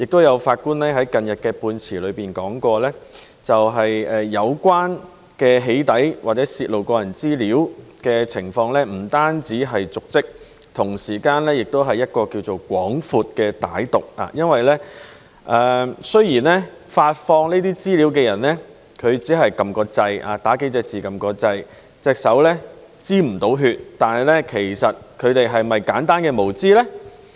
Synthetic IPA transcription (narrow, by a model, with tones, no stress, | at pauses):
jɪ˨k̚t̪o˥wjɐ˨˧wfaː˧t̚kuː˥nlɛː˥ɦɐ˨˥jkɐ˨njɐ˨t̚kɛː˧puː˧nt͡sʰiː˨˩lɵ˨˧ɥpiː˨˩nkɔː˨˥ŋkɔː˧lɛː˥ | t͡sɐ˨wɦɐ˨jɛː˨ɐ˨˧wkʷwaː˥n | kɛː˧ɦe˨˥jt̪ɐ˨˥jwaː˨t̚t͡sɛː˨˥siː˧t̚lo˨wkɔː˧jɐ˨˩nt͡siː˥liː˨˥wkɛː˧t͡sʰɪ˨˩ŋfɔː˧ŋlɛː˥m̩˨˩t̪aː˥nt͡siː˨˥ɦɐ˨jt͡sʊ˨k̚t͡sɪ˥k̚ | t̪ʰʊ˨˩ŋsiː˨˩kaː˧nlɛː˥jɪ˨˩k̚t̪o˥wɦɐ˨jɐ˥t̚kɔː˧kiː˧wt͡so˨˩wkʷɔː˨˥ŋfuː˨t̚kɛː˧t̪a̰ː˨˥jt̪ʊ˨k̚a̰ː˨˧jɐ˥nwɐ˨jlɛː˥ | ʔɛː˨˧sɵ˥ɥjiː˨˩nlɛː˥ | faː˧t̚fɔː˧ŋniː˥t̪iː˥t͡siː˥liː˨˥wkɛː˧jɐ˨˩nlɛ˥ | kʰɵ˨˧ɥt͡siː˨˥ɦɐ˨jkɐ˧mkɔː˧t͡sɐ˧ja̰ː˨˧t̪aː˨˥ke˥jt͡sɛː˧k̚t͡siː˨˩kɐ˨mkɔː˧t͡sɐ˧j | t͡sɛː˧k̚sɐ˨˥wlɛː˥ | t͡siː˥m̩˨˩t̪o˨˥wɦyː˧t̚t̪aː˨nɐ˨jlɛ˥kʰe˨˩jsɐ˨t̚kʰɵ˨˧ɥt̪e˨jɦɐ˨jmɐ˨jkaː˨˥nt̪aː˥nkɛː˧mo˨˩wt͡siː˥lɛː˥